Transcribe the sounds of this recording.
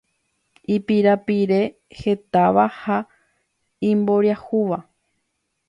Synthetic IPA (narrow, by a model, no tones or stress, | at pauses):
ipiɾapiɾe̞ | he̞t̪aʋaha | ĩmbo̞ɾjahuʋa